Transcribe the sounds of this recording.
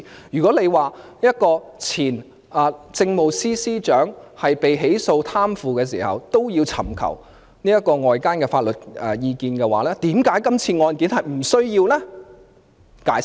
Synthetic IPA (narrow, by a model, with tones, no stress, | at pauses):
jyː˨˩kɔː˨˥le˨˧jwaː˨˩jɐ˥t̚kɔː˧t͡sʰiː˨˩n | ɐ˨˧t͡sɪ˧ŋmo˨wsiː˥siː˥t͡ʃœː˨˥ŋhɐ˨jpe˨jɦe˨˥jso˧wt̪ʰaː˥mfuː˨˧kɛː˧sḭː˨˩hɐ̰˨˩wt̪o˥wjiː˧wt͡sʰɐ˨˩mkʰɐ̰˨˩w | niː˥jɐ˥t̚kːɔː˧ŋɔː˨jkaː˥nkɛː˧faː˧t̚lɵ˨t̚ɛ˨jiː˧kiː˧nkɛː˧wa̰ː˨˦lɛː˥t̪iː˨˥mkaː˨˥jkɐ˥mt͡sʰiː˧ŋɔː˧nkiː˨˥nhɐ˨jm̩˨˩sɵ˥ɥjiː˧wlɛ˥ | kaː˨˥j